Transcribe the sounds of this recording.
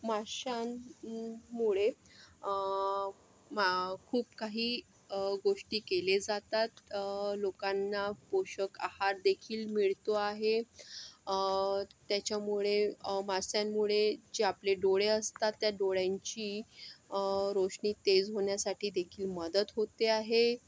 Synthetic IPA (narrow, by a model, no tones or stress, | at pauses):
maɕan | muɭe | kʰuːp̚kaɦiː | ɡoʂʈiːkeled͡zat̪at̪lokãnːapoɕəkahaɾd̪ekʰiːlmiɭt̪oaɦe | t̪jat͡ɕjamuɭemasjãmːuɭed͡ʑeapleɖoɭeəst̪at̪ːjaɖoɭjãɲt͡ɕiː | ɾoʂɳiːt̪ed͡zɦoɳjasaʈiːd̪ekʰiːlməd̪ət̪ɦot̪eaɦe